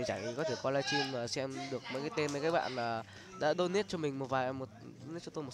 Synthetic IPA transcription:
t͡ɕa̰˧˩ŋ˨˩kɔ˨˦t̪ʰe˧˩kɔ˧laː˧t͡ɕi˧maː˨˩sɛ˧mɗɨ˨˩ək̚mɔ̰˧˥jkaː˨˦t̪e˧mə˨˦kaː˨˦˥jɓa̰ː˧˨nlaː˨˩ | ɗa̰ː˧˥ɗo˧ni˦˥t̚t͡ɕɔ˧mï˨˩ŋ̟mo˨˩t̚vaː˨˩jmo˨˩t̚ | n˧˦˥tt͡ɕɔ˧t̪o˧m˨˩

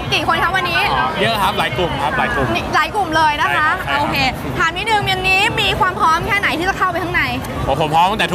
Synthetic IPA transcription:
kiː˨˩kʰo˧nkʰa˦˥wa˧nːiː˦˥ni˦˥lkʰa˦˥p̚laː˩˦jklu˨˩mkʰa˦˥p̚la̰ː˩˦jklu˨˩ni˦˥laː˩˦jku˨˩mlɤː˧jna˦˥kʰka˦˥oː˧kʰeː˧ | t̪ʰaː˨˩ni˦˥nɯ˧ŋni˧ŋniː˦˥miː˧kʰwaː˧mpʰɾɔː˦˥mkʰɛː˥˩na˨˩˦jt̪ʰiː˥˩t͡ɕa˨˩kʰa˥˩wpa˧jt̪ʰa˥ŋna˧j | ɔː˨˦˩pʰo˩˦pʰɔ˦˥t̪ɔ˥ŋt̪ɛ˨˩˦

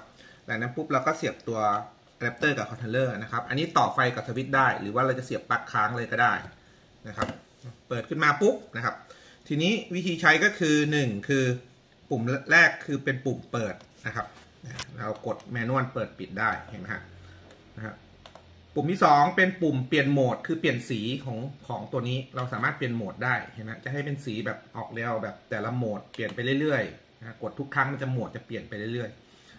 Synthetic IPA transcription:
lɛː˨˩ŋna˦˥mpʰu˦˥p̚ɾaː˧˥wkɔː˥˩si˨˩əp̚t̪u˧ɐ˧ | lɛ˦˥p̚t̪ɤː˥˩kaː˨˩kʰɔ˧nt̪ʰlɤː˥˩na˦˥kʰa˦˥p̚ʔa̰˧nːiː˦˥t̪ɔː˨˩fa˧jka˨˩p̚sʰa˧wi˦˥t̪̚daː˥˩jɾɯ̰ː˩˦waː˥˩ɾa˧wt͡ɕa˨˩si˨˩əpːa˦˥kʰːaː˦˥ŋlɤː˧jkɔ˥˩daː˥˩j | na˦˥kʰa˦˥p̚ː | ɤː˨˩t̪̚kʰɯ˥˩maː˧pu˦˥p̚na˦˥kʰa˦˥p̚ | t̪ʰiː˧niː˦˥wi˦˥t̪ʰiː˧t͡ɕʰa˦˥jkɔː˥˩kʰɯː˧nɯ˨˩ŋkʰɯː˧ | pu˨˩mɾɛː˥˩kʰːɯː˧pe˧npu˨˩mpɤː˨˩t̪̚na˦˥kʰa˦˥p̚ | aː˧˩ɾa˧wko˨˩t̪̚mɛː˧nu˥˩ənpɤː˨˩t̪̚pi˨˩t̪̚daː˥˩jhʰa˧˩ma˧˥a̰˦˧˥ʔ | na˦˥kʰa̰˦˧˥ | pːu˨˩mt̪ʰiː˥˩sɔː˨˦ŋpe˧npu˨˩mpli˨˩ənmoː˨˩t̪̚kʰɯː˧pi˨˩ənsiː˩˦kʰɔː˩˦ŋkʰɔː˩˦ŋt̪u˧ɐniː˦˥ɾa˧wsaː˩˦maː˥˩t̪̚pi˨˩ənmoː˨˩t̪̚daː˥˩jhʰa˧˩m˦a˦˥˩t͡ɕa˨˩ʔɦa˥˩jpe˧nsiː˩˦bɛː˨˩p̚ʔɔː˨˩k̚de˧wbɛː˨˩p̚t̪ɛː˨˩la˧˥moː˨˩t̪̚pi˨˩ənpa˧jlɯ˥˩˨jlɯ˥˩əjʰ | a˦˥ko˨˩t̪ʰːu˦˥k̚tʰːa˦˥ŋma˧nt͡ɕa˨˩mo˨˩t̪̚t͡ɕa˨˩pli˨˩ənpa˧jlɯ˥˩˨jɾɯ˥˩əj

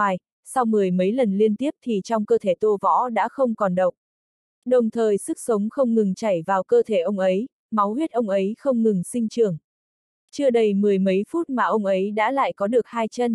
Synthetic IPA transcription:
j | sa˧wmɨ˨˩əjmə˨˦jlə˨˩nli˧ənt̪i˦˥əp̚t̪ʰi˨˩t͡ɕɔ˧wŋ͡mkəː˧t̪ʰe˧˩t̪o˧vɔ̰˧˥ɗa̰ː˧˥xə˧wŋ͡mkɔ˨˩nɗə˨˩wk͡p̚ | ɗə˨˩wŋ͡mt̪ʰəː˨˩jsɨ˦˥k̚sə˨˦wŋ͡mxə˧wŋ͡mŋɨ˨˩ŋt͡ɕa˧˩jvaː˨˩wkəː˧t̪ʰe˧˩ʔə˧wŋ͡mʔə˨˦j | ma˨˦wɦwi˦˥t̚ʔə˧wŋ͡mʔə˨˦jxə˧wŋ͡mŋɨ˨˩ŋsï˧ŋ̟t͡ɕɨ˨˩əŋ | t͡ɕɨ˧əɗə˧jmɨ˨˩əjmə˨˦jfu˦˥t̚maː˨˩ʔə˧wŋ͡mʔə˨˦jɗa̰ː˧˥la̰ː˧˨jkɔ˨˦ɗɨ˨˩ək̚haː˧jt͡ɕə˧n

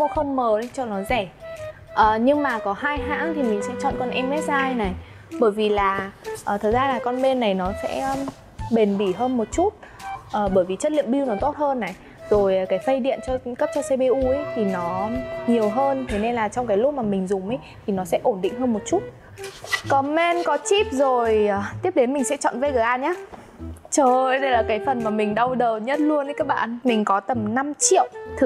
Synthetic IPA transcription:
o˧xə˧nməː˨˩ɗə˨˧˦t͡ɕɔ˧˩nɔ˨˦zɛ˧˩ | ʔəː˨˩ɲɨ˧ŋmaː˨˩kɔ˨˦haː˧jɦa̰ː˧˥ŋt̪ʰi˨˩mï˨˩ŋ̟sɛ̰˧˥t͡ɕɔ̰˧˨nkɔ˧nʔɛ˧mːɛ˦˥t̚zaː˧jna˨˩j | ɓəː˧˩jvi˨˩laː˨˩ʔəː˨˩t̪ʰə˨˩zaː˧laː˨˩kɔ˧nɓe˧nːa˨˩jnɔ˨˦sɛ̰˧˥˧ | ɓe˨˩nɓi˧˩ɦəː˧nmo˨˩t̚t͡ɕu˦˥t̚ | ʔəː˨˩ɓəː˧˩jvi˨˩t͡ɕə˦˥t̚lḭ˧˨əmɓi˧wnɔ˨˦t̪o˦˥t̚həː˧nːa˨˩j | zo˨˩jkaː˨˦jfə˧jɗḭ˧˨ənt͡ɕɔ˧kə˦˥p̚t͡ɕɔ˧se˧ɓe˧ʔu˧˩ə˦jt̪ʰi˨˩nɔ˨˦ɲi˨˩əwɦəː˧nt̪ʰe˨˦ne˧nlaː˨˩t͡ɕɔ˧wŋ͡mkaː˨˦jlʊ˦˥k͡p̚maː˨˩mï˨˩ŋ̟zʊ˨˩mʔə˨˦jt̪ʰi˨˩nɔ˨˦sɛ̰˧˥ʔo˧˩nɗḭ˧˨ŋ̟ɦəː˧nmo˨˩t̚t͡ɕu˦˥t̚ | kɔ˨˦mɛ˧nkɔ˨˦t͡ɕi˦˥p̚zo˨˩jt̪i˦˥əp̚ɗe˨˦nmi˨˩ŋ̟sɛ̰˧˥t͡ɕɔ̰˧˨nvə˨˦jɣəː˨˩jʔaː˧˩nɲaː˨˦ | t͡ɕəː˨˧˩ʔjɗə˧jlaː˨˩kaː˨˦jfə˨˩nmaː˨˩mï˨˩ŋ̟ɗə˧wɗəː˨˩wɲə˦˥t̚lu˧ənə˨˦jkaː˦˥k̚ɓa̰ː˧˨nmï˨˩ŋ̟kɔ˨˦t̪ə˨˩mna˧mt͡ɕḭ˧˨əwt̪ʰɨ˨˩

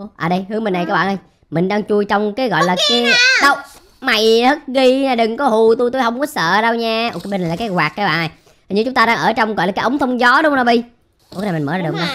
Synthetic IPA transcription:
ʔəː˨˩ɗə˧jhɨ˨˦əŋmï˨˧nna˨˩kaː˨˦k̚ɓ̰aː˧˨nʔə˧j | mï˨˩ŋ̟ɗaː˧ŋt͡ɕu˧əjt͡ɕɔ˧wŋ͡mkaː˨˦jɣɔ̰˧˨jlaː˨˩kaː˨˦jɗə˦˥w̚ | ma˨˩jhə˦˥t̚ɣi˧ɲaː˨˩ɗɨ˨˩ŋkɔ˨˦hu˨˩t̪u˧jt̪u˧jɦə˧wŋ͡mkɔ˨˦sə̰ː˧˨ɗə˧wɲaː˧ʔo˧kɓi˧˩na˨laː˨˩kːaː˨˦jɣwaː˨˩k̚kːaː˦ɓa̰ː˧˨n˨˩j | t̪ʰːɲɨ˧˩t͡ɕʊ˦ŋ͡mt̪ːɗaː˧ŋʔəː˧˩t͡ɕɔ˧wŋ͡mɣɔ̰˧˨jlaː˨kːaː˦ʔə˨˦wŋ͡mt̪ʰə˧wŋ͡mzɔ˨˦ɗʊ˨˦nɔ˨˩˦ɓi˧ | u˧˦˥k̚na˨˩m˨˩məː˧˦aː˧˩ɨ˨˩k̚ɓa˧˩

